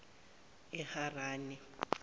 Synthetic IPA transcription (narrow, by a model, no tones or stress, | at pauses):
ɪharaːnɪ